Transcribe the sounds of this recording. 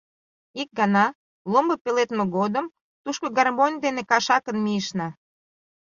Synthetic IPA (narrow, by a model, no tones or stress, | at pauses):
ik̚ɡɑnɑ | lombəpelet̪meɣod̪əm | t̪uʃkoɡɑrmonʲd̪enekɑʃɑkənmijəʃnɑ